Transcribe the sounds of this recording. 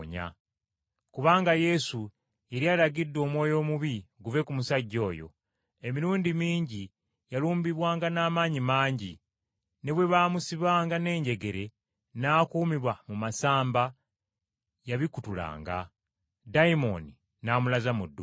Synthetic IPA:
ɲa̰ | kuβaːŋɡaje̞su | je̞ɾialaɡidːo̞ːmwo̞ːjo̞ːmuβiɡuve̞kumusaɟːo̞ːjo̞̰ | e̞miɾuːndimiːɲɟi | jaluːmbiβwaːŋɡanaːmaːɲimaːɲɟi | ne̞βwe̞βaːmusiβaːŋɡane̞ːɲɟe̞ɡe̞ɾe̞ | naːkuːmiβwamumasaːmba | jaβikutula̰ːŋɡa̰ | daimo̞̰ni | naːmulazamudːu

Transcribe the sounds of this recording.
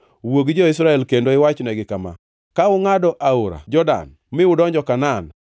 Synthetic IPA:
woɡd͡ʒɔɪsɾaɛlkendoɪwat͡ʃnɛɡɪkama̰ | kaʊŋadɔʔaoɾa̰d͡ʒɔda̰n | mɪʊdɔɲd͡ʒɔkanan

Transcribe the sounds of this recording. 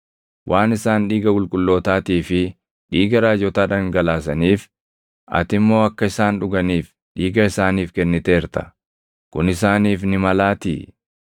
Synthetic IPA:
wʔaːnɪsaːnᶑiːɡɐkʊlkʼʊlːo̞ːt̪aːt̪iːfɪ | ᶑiːɡɐɾaːd͡ʒɔt̪aːᶑɐŋɡɐlaːs̬ɐniːf | ɐ̰t̪ɪmːo̞ːɐkːɐɪsaːnᶑʊɡɐniːf | ᶑiːɡɐɪsaːniːfkɛnːɪt̪eːɾt̪ɐ̥̰ | kʊnɪsaːniːfnɪmɐlaːt̪ḭː

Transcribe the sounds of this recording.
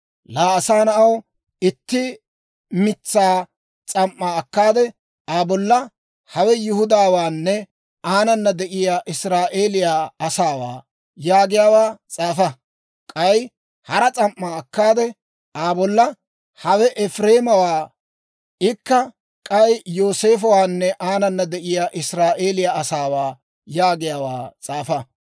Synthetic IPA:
laːɐsaːnɐʔɐw | ɪt̪ːɪ | mɪt͡sːaː | t͡sʼɐmʔːaːkːaːd̪ɛ | aːbɔlːɐ | hɐwɛjʊhʊd̪aːwaːnːɛ | ʔaːnɐnːɐd̪ɛʔɪjaːʔɪsɾaːʔeːlɪjaːɐsaːwa̰ː | jaːɡɪjaːwaːt͡sʼaːfɐ | kʼɐj | hɐɾɐt͡sʼɐmːaːkːaːd̪ɛ | aːbɔlːɐ | hɐwɛʔɛfɾe̞ːmɐwaː | ʔɪkːɐ | kʼɐjjo̞ːse̞ːfɐwaːnːɛʔaːnɐnːɐd̪ɛʔɪjaːʔɪsɾaːʔe̞ːlɪjaːɐsaːwaː | jaːɡɪjaːwaːt͡sʼaːfɐ

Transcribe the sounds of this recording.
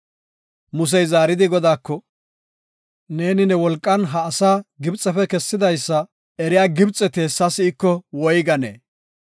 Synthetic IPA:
mʊs̬ɛjzaːɾɪd̪ɪɡɔd̪aːkːɔ | ne̞ːnɪnɛwɔlkʼːɐnɦɐːsaːɡɪbt͡sʼːɐfɛkɛsːɪd̪ɐjsːɐ | ɛɾɪjaːɡɪbt͡sʼːɛt̪eːsːɐsɪːkːɔwɔjɡɐnḛː

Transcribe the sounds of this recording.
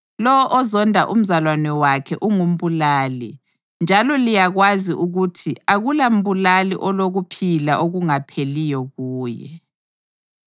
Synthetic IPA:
lɔwɔʔɔzɔndʱa̰ʔum̩zalwanɛwakʰɛʔuŋum̩βulaːli | nd͡ʒʱalɔlijaɣwaziʔuɣutʰiaɣulam̩βulalḭʔɔloɣupʰilaʔoɣuŋapʰelijɔɣuːjɛ̰

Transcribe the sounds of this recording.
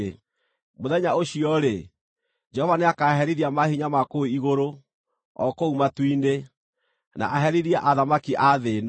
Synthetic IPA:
moðɛɲaoɕiɔɾe | d͡ʒɛhɔvaneakaɦɛɾiɾiamahiɲamakoiɣoɾo | ɔ̰koumatwinde | na̰ʔaɦɛɾiɾiaʔaðamakiʔaðen

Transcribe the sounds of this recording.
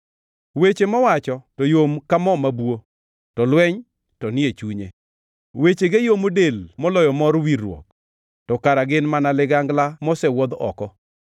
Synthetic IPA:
wet͡ʃemɔwat͡ʃɔtɔjomkamɔmabwo | tɔlwɛɲ | tɔnɪet͡ʃuɲḛ | wet͡ʃeɡejomodelmɔlɔjɔmɔɾwiɾwɔ̰k̚ | tɔkaɾaɡɪnmanalɪɡaŋɡlamɔsɛwɔd̪ɔ̰kɔ

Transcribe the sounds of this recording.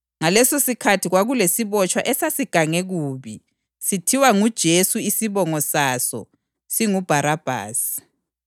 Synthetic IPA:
ŋalɛsosikʰatʰiɣwaɣulesiβɔt͡ʃʰʼwaʔɛsasiɡ̥ʱaŋeɣuːβi | sitʰiwaŋud̥ʒ̥ʱesuisiβɔŋɔsasɔ̰ | siŋub̥ʱaɾab̥ʱa̰ːsi̥

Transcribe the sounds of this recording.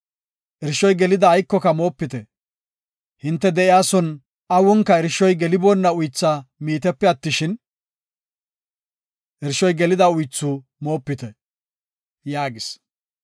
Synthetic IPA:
ʔɛɾʃɔjɡɛlɪd̪ɐːjkːɔkɐmo̞ːpːɪt̪ɛ | hɪnt̪ːɛd̪ɛʔɪjaːsɔn | ʔɐwɔŋkːɐɛɾʃːɔjɡɛlɪbɔnːɐʊjt͡sːamiːt̪ɛpːɛɐt̪ːɪʃɪn | ʔɛɾʃɔjɡɛlɪd̪ɐʊjt͡sːʊ | mo̞ːpːɪt̪ɛ | jaːɡɪs

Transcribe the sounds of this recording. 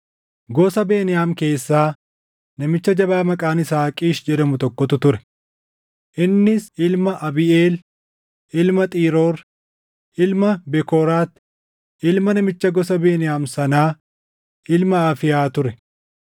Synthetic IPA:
ɡɔsɐbe̞ːnɪjaːmke̞ːsːaː | nɐmɪt͡ʃːɐd͡ʒɐbaːmɐkʼaːnɪsaːkʼiːʃd͡ʒɛd̪ɐmʊt̪ɔkːɔt̪ʊt̪ʊɾɛ̥ | ʔɪnːɪsɪlmɐʔɐbɪeːl | ɪlmɐt̪ʼiːɾoːɾ | ɪlmɐbɛkoːɾaːt̪ | ɪlmɐnɐmɪt͡ʃːɐɡɔsɐbe̞ːnɪjaːmsɐnaː | ɪlmɐaːfɪjaːt̪ʊɾɛ

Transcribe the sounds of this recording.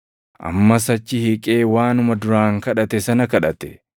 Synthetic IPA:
ʔɐ̰mːɐs̬ɐt͡ʃːɪhikʼe̞ːwaːnʊmɐd̪ʊɾaːŋkɐᶑɐt̪ɛsɐnɐkɐᶑɐt̪ɛ̥

